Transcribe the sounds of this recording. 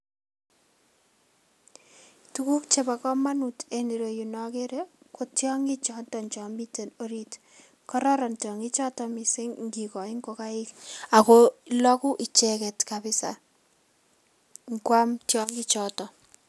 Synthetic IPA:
tuku˦k̚t͡ʃeba˨kɔ˦ma˦nuteni˨ɾo˨junɔkeɾeko˨tjɔ˦ŋɡi˦t͡ʃɔ˦ntɔnt͡ʃɔ˨mi˦te˨no˦ɾit | kɔ˦ɾɔ˦ɾɔ˨ntjɔ˨ŋi˦t͡ʃɔ˦tɔmi˨sɪ˦ŋŋɡikɔ˨ɪ˦ŋɡoka˦ɪ˦ka˨kolɔ˦kʊ˦ʔɪ˨t͡ʃɛkɛ˨tkabɪ˦sa̰ | ŋkwa˦mtjɔŋɡi˦t͡ʃɔtɔ˨

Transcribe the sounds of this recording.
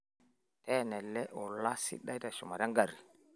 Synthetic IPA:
tɛ˦˨nɛ˨lɛ˦ʔɔ˨la˦sḭ˦ɗa˦i˦ta˨ʃɔ˨ma˨ɾa˦ŋɡa˨ɾi˨

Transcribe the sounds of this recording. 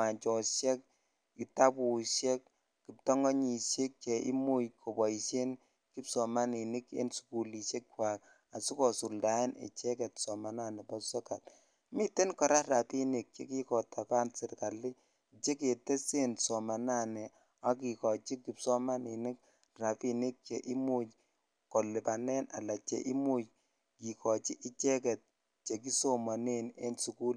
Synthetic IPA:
a˨nt͡ʃɔ˨ʃjɛ˦k̚ | i˨ta˦pu˨ʃɛ˦kː | i˨p̚tɔ˦ŋɡɔ˦ɲi˨ʃe˦k̚t͡ʃe˨ʔḭ˦mu˦jkʰo˨bɔ˨i˨ʃe˦n | ki˦psɔ˨ma˦ni˨nɪ˦kḛ˦nsu̥˨ku˨li˨ʃe˦k̚wa˨k | a˨su˦kɔ˨su˨lda˨˦ɪ˦nḛ˨t͡ʃɛ˦kɛ˨tsɔ˨ma˨na˦˨nɛ˨pɔ˦sɔ˦ka˨t | mi˦te˦nkɔ˨ɾa˦ra˨pi˦nɪ˨k̚t͡ʃḛ˦ki˦kɔ˨ta˨pa˦nsɪ˨rka˨li˦ | t͡ʃe˦ke˨te˦se˦nsɔ˨ma˨na˦˨nɛ˨ | a˦ki˨kɔ˨t͡ʃi˦ki˨psɔ˦ma˦ni˨nɪ˦k̚ | ra˨pi˨nɪ˦k̚t͡ʃe˨ʔɪ˦mu˦˨t͡ʃ | kɔ˨lɪ˨pa˨nɛ˦na̰˨la˨t͡ʃḛ˨ʔi˦mu˦t͡ʃ | ki˨kɔ˨t͡ʃi˦ʔɪ˦t͡ʃɛ˦kɛ˨t̚ | t͡ʃe˨k̬i˦so˦ma˨ne˦ne˦nsu˨ku˦l

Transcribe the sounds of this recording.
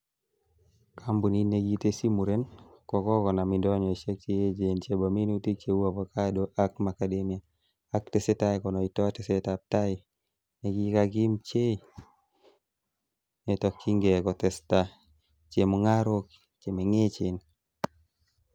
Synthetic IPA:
kʰa˦mbu˨ni˦ne˨ɡi˦te˦si˦mu˨ɾe˦nkɔ˨kɔ˦kɔ˨na˨mi˨ndɔ˦ɲɔ˨e˨t͡ʃe˦k̚t͡ʃe˦je˦d͡ʒe˨nt͡ʃe˦ba˨mi˦nu˦ti˦k̚t͡ʃe˦wa˨pa˨ka˦doʔa˦kma˨kade˦mi˨a˨ | a˦kte˦se˦ta˦jkɔ˨nɔ˨i˨tɔ˦te˨se˦ta˨p̚ta˦ɪ | ne˨ɡi˦kaɡɪ˦mt͡ʃe˦ | ne˨tɔ˦kʰːi˦ŋɡe˨kɔ˨tɛ˨sta | t͡ʃe˨mo˨ŋa˦ɾo˦k | t͡ʃe˨me˨ŋe˦t͡ʃe˨n

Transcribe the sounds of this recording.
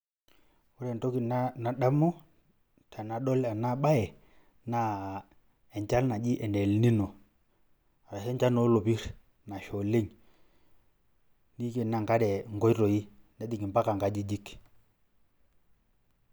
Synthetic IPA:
u˦ɾɛ˨nto˦ki˨n˦na˨da˦mɔ˦ | ta˨na˨ɗɔ˦la˨na˦ɓa˦ɛ˨ | na˨ | ɛ˨ɲt͡ʃa˦lna˨d͡ʒi˦ʔɛ˨ndɛ˨lni˦no˨ | a˨ɾa˨sɛ˦ɲt͡ʃa˦no˨˦lo˨pi˦ɾ | na˨ʃo˨le˦ŋ | ni˦ke˨na˨ŋka˦dɛ˨ŋɡo˦jɾo˨i˦nɛ˨˦di˨ŋi˨mpa˦ka˨ŋɡa˨d͡ʒi˦d͡ʒi˦k

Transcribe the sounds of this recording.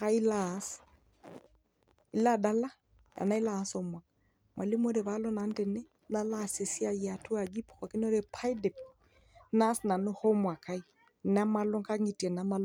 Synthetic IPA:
ɣa˦i˦las | i˦la˦da˦la˦ | ja̰˨na˦i˦laː˨˦sɔ˨mwa˨ | mwʔa̰˨li˦mo˦ɾe˨βa˦lɔ˦na˨ndɛ˨nɛ˦ | na˦la˦˨se˨si˦a˦ja˨tʰu˦a˨ɡi˦pɔ̥ka˨ki˦n˦ɔ˦ɾe˦pʰa˦idɛ˨p | na˦sna˨no˦hɔ˦mwa˨ka˦i | na˦ma˦lɔ˦ŋka˦ŋi˨tɛ˨na˦ma˦l

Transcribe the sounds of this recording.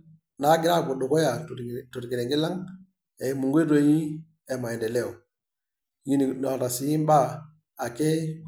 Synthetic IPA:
na˨˦ɡi˨ɾa˦˨ɡu˨ɗu˨ko˦ja˨tu˨ɾki˨ɾe˨ŋɡi˦la˦ŋ | e˨i˨mu˨ŋɡe˦ɾo˨ji˦ | e˨ma˨i˨nde˨le˦˨u˨ | ji˦ni˨ɗo˨ta˨si˨ji˦mba˦ | a˨ke˦

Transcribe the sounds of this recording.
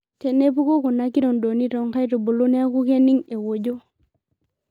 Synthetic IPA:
ke˨ne˦pu˦ko˦ku˨na˦ki˦ɾo˨ndo˨ni˦to˨ŋka˦jto˨bo˨lo˦ne˦a˦ku˦ke˦ni˦ŋe˨wo˨ɟo˦

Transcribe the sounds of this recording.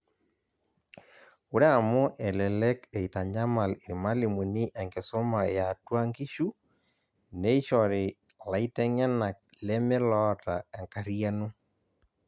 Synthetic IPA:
u˦ɾɛ˦a˨mʊ˦ʔɛ˨lɛ˨lɛ˦kɛ˨i˨ta˨ɲa˦ma˨li˨ɾi˨ma˦li˨mu˨ni˦ʔɛ˨ŋɡe˨so˦ma˨ja˨twa˦ŋɡi˦ʃu˦ | ne˦i˦ʃɔ˨ɾɪ˨ | la˨i˦tɛ˦ɲa˦na˨k̚lɛ˦mɪ˦lɔ˦ta˨ɛ˨ŋka˦ɾia˦nu˦

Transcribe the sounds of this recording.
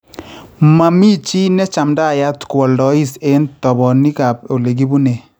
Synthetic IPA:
ma˨mi˦t͡ʃi˦nɛ˦t͡ʃa˨mda˦˨ja˦tkwɔ˨ldɔ˨˦i˦se˦ntɔ˨bɔ˨ni˦ka˨p̚o˨le˨ɡi˦bu˦ne˨

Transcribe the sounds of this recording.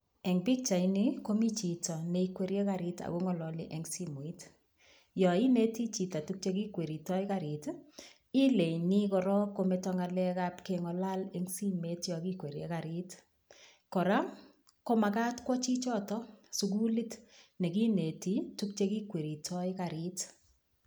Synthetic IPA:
ɛ˨ŋbi˦k̚t͡ʃa˨iniko˦mi˦t͡ʃi˨tɔ˨ne˨ikwe˨ɾje˦ka˨ɾɪta̰˨ɣo˦ŋɔ˨lɔ˨lḭ˦ʔe˨ŋsi˦mo˨i˦t | jɔ˨i˦ne˦ti˦t͡ʃi˨ta˨tuk̚t͡ʃe˦ki˦kwe˨ɾi˨tɔ˦i˦kaɾi˨t | i˦le˨jni˦kɔ˨ɾɔ˦kːo˨metɔŋa˨lɛ˦ka˦pkeŋɔ˨la˦le˦ŋsi˦me˦tjɔki˦kwe˨ɾje˦kaɾi˦t | kɔ˨ɾa˦ | ko˦ma˨ka˦tkwɔ˦t͡ʃi˦t͡ʃɔ˦tɔ˦su˨k̬u˦li˦tne˨ki˦ne˨ti˦tu˦k̚t͡ʃe˦ki˦kwe˨ɾi˨tʰɔikaɾit

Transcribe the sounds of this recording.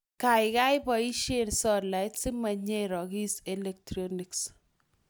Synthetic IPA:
ka˨ɪka˦ɪ˦bɔ˨i˦ʃe˦nsɔ˦la˨ɪtsɪ˦ma˨ɲeɾɔ˨ki˦se˨le˨k̚tɾɔni˨ks

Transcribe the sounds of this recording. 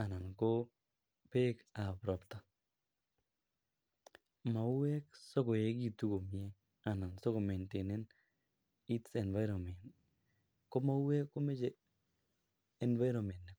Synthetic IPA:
a˨na˨nko˦ | pe˦ka˨pɾɔ˨pta˨ | ma˨u˦wɛ˦ksɔ˦kɔ˨je˦ɡi˦˨tu˦ɡo˨mjɛ˦ | a˨na˨nsɔ˦ko˨mɛ˨nte˨ne˦n | i˦tsɛ˨nva˦ɾɔ˨mɛ˨nt | kɔ˦ma˦u˦wɛ˦kːo˦me˦d͡ʒe˨ | ɛ˨nva˦jɾo˨mɛ˨nːɛ˨

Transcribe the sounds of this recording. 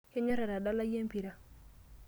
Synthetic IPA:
he˦ɲɔ˦ɾa˨ɾa˨da˦la˦je˦mpi˨ɾa˦

